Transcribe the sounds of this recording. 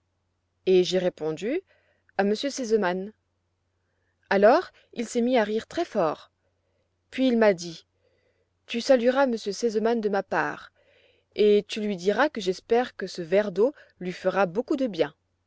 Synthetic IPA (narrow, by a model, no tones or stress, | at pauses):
eʒeʁepɔ̃d̪y | aməsjøsezəman | alɔːʁ | ilsɛmiaʁiʁt̪χɛfɔːʁ | pɥiːlmad̪i | t̪ysalyiʁaməsjøsezəmand̪əmapa̰ːʁ | et̪ylɥid̪iʁakəʒɛspɛʁkəsəvɛʁd̪o | lɥifəʁabokud̪əbjɛ̃